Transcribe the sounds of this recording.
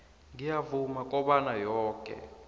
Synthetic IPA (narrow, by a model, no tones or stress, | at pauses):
ŋijavumakʼɔɓanajɔːkʼɛ̰